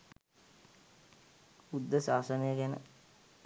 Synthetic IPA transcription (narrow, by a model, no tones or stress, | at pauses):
ud̪ːəsaːsənəjəɡænə̰